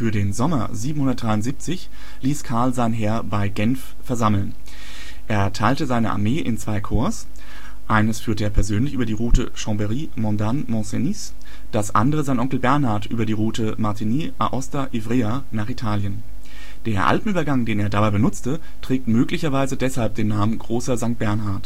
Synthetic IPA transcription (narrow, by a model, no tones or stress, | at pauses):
fyːɐdeːnzɔmɐ̰ziːbm̩hʊndɐt̚d̥ʁaɪʊntz̥iːp̚t͡sɪç | liːskʰaɐlzaɪnɦɛɐbaɪɡɛnf | fɛɐzaml̩n | ʔeːɐtʰaɪltəzaɪnəʔa̰ɐmeːʔɪnt͡sv̥aɪkʰʊɐs | ʔaɪnəsfyːɐtəeːɐpʰɛɐzøːnlɪçʔyːbɐdiːʁuːtəʃɑ̃bəʁiːmɔ̃danmɔsenis | d̥asʔa̰ndəʁəzaɪnʔɔŋkl̩bɛɐnɦaɐtʔy̰ːbɐɾiːʁuːtəmaɐtʰiniːʔa̰ʔɔstaʔevʁeːa | naːχitʰaːljən | d̥eːɐʔa̰lpn̩ʔyːbɐɡaŋdeːneːɐdabaɪbənʊt͡stə | tʁ̥ɛːk̚tmøːklɪçɐvaɪzədɛshalp̚d̥eːnaːmənɡʁoːsɐzaŋk̚t̚b̥ɛɐnɦaɐt